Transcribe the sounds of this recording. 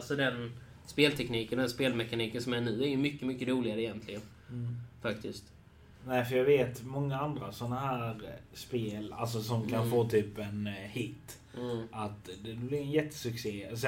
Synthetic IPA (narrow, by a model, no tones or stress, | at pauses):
lsɔd̪ɛn | speːlt̪ʰɛkniːkənd̪ɛnspeːlmɛkaniːkənsɔmæɳʉ̟ːæɾjɵmʏkːəmʏkːəɾuːlɪɡaɾəɪjɛnt̪ʰlɪɡən | fakt̪ʰɪst̪ | næɪfəɾjaːɡveːt̪mɔŋːaand̪ɾasɔnːaɦæːɾspeːla̰ls̬ɔsɔmkʰanfoːt̪ʰyːpɛnhɪt̪ː | ʔat̪d̪ɛd̪blɪɾɛnjɛt̪ːə̥sɵkseːs